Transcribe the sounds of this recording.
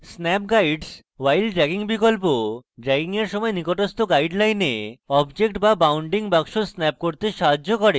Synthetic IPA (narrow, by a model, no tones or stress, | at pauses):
snɛp̚ɡajɖs | wajlɖɾɛɡiŋbikolpoɖɾɛɡiŋeɾʃɔmɔenikoʈost̪oɡajɖlajneɔbd͡ʑekʈbabawɳɖiŋbaɡʃosnɛp̚koɾt̪eʃaɦad͡ʑokɔɾe